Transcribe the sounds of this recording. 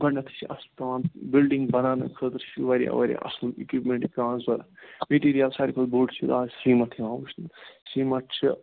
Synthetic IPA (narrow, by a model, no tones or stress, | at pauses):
ɡɐɳɖɐt̪ʰt͡ʃʰiɐst̪ɐʋaːnbilɖiŋɡbɐnaːnɐkʰət̪ɾt͡ʃʰiʋɐɾḭɐ̰ʋɐɾʲḭʔɐ̰slikwipmẽɳʈikãːnzbɐɾmeʈiːɾijɐlsaːɾʲikʰɐlbuːt͡ʃʰid̪aːzsimɐʈʰiãːwut͡ʃʰsiːmɐʈʰt͡ʃʰi